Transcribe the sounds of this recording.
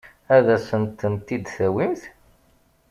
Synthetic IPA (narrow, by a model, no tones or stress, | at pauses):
æðæsənt̪ːənt̪ːid̪θæwimθ